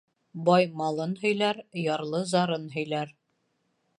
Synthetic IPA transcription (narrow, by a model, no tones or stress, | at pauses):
bɑjmɑlˠɤnhɵ̆jlæɾjɑɾlˠɤzɑɾɤnɦɵ̆jlæɾ